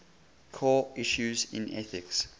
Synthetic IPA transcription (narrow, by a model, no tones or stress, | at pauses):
kʰɔiʃuzɪ̰̃nɛθɪks